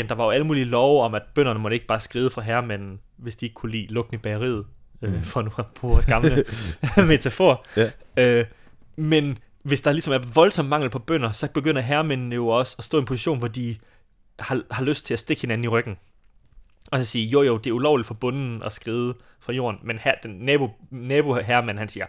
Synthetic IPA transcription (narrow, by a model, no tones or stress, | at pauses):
end̥ɑ̈ʋɑ̈joæləmṵːlilɒʊɒ̽mæd̥̚b̥øn̰ɐnəmɒ̽ɾ̥əe̝ɡ̥̚b̥ɑ̈ːsɡ̥ʁiːðˠəfʁɑ̈ɦæɐmæn̰n̩ʋe̝sd̥ie̝ɡ̥kʰulḭːlɔ̽ɡ̥n̩ib̥æɐʁḭð̩ˠøfɒnuæb̥ʁṵːsɡ̥ɑ̈mnəmet͡sʰefɔ | ø | men | ʋe̝sd̥ɑ̈lisɒ̽mæɐʋɒ̽lsɒ̽m̰mɑ̈ŋ̰l̩pʰɒ̽b̥œn̰ɐsɒ̽b̥e̝ɡ̥øn̰ɐɦæɐmennəjo̝ɒ̽səɒsd̥ɔ̰ːe̝npʰo̝siɕo̝̰ːnʋɒd̥i | hɑ̈hɑ̈løsd̥̚t͡sʰe̝læsd̥e̝ɡ̥he̝næn̩iʁœɡ̥n̩ | ɒ̽sɒsiːɐjojod̥e̝æɐulɒʊ̰lid̥fɒ̽b̥ɔ̽nn̩ʔɒ̽sɡ̥ʁiːð̞ˠə | fʁɑ̈jo̝̰ːɐnmenhæd̥enːɛːb̥o̝nɛːb̥o̝ɦæɐmænɦænsiːɐ